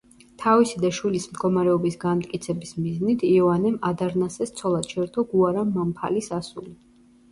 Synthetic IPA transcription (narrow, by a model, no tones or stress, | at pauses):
t̪ʰavisid̪aʃwilismd̪ɡɔmaɾɛɔbisɡanmt̪ʼkʼit̪sʰɛbismiznit̪ʰiɔvanɛmad̪aɾnasɛst̪sʰɔlˠad̪̥ʃʰɛɾd̪ʰɔɡuaɾamːampʰa̰lisasuli